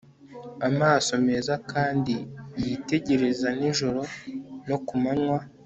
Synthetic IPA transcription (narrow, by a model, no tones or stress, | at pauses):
amaːso̞me̞ːzakaːndijite̞ɟe̞ɾe̞zaniʒoɾo̞no̞kumanŋwa